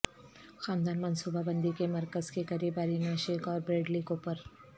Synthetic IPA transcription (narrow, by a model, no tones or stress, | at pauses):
xaːnd̪aːnmɐnsuːbabɐ̃nd̪ikemɐɾkəzkekɐɾiːbaːɾinaʃeːkɔːɾbɾeːɖliːkoːpəɾ